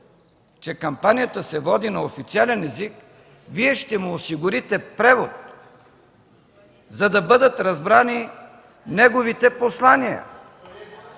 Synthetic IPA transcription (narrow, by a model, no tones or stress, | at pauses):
t͡ʃɛkɐmpanijət̪əsɛvɔd̪inɐofit̪sialɛnɛzik | viɛʃt̪ɛmuːsiɡʊɾit̪ɛpɾɛvot̪̚ | zɐd̪ɐbɤd̪ət̪ɾɐzbɾani | nɛɡovit̪ɛposlˠaniə̰